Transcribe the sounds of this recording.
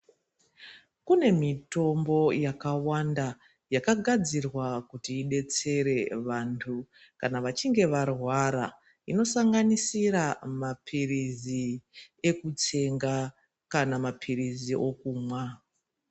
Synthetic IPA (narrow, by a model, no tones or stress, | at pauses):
kune̞mito̞mbo̞jakawanda | jakaɡʱad͡zirwakutiːɗe̞t͡se̞ɾe̞ʋantʰu | kanaʋat͡ʃiŋɡe̞ʋarwaɾa | ino̞saŋɡanisiɾamapʰirizi | e̞kut͡se̞ŋɡa | kanamapʰiɾiziʔo̞kuːmwa